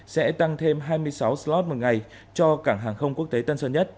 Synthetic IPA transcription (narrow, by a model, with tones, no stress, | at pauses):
sɛ̰˧˥t̪a˧ŋt̪ʰe˧mɦaː˧jmɨ˧əjsa˨˦wslɔ˦˥t̚mo˨˩t̚ŋa˨˩j | t͡ɕɔ˧kaː˧˩ŋɦaː˨˩ŋxə˧wŋ͡mku˦˥ək̚t̪e˨˦t̪ə˧nsəː˧˩ɲə˦˥t̚